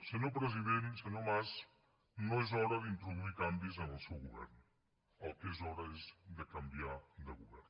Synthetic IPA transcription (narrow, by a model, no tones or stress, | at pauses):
sənopɾəziðensənomaz | noezɔɾɐðint̪ɾuðuikambizənəlˠsɛwɣuβɛ̰ɾn | əlˠkezɔɾaezd̪əkɐmbiad̪əɣuβɛ̰ɾn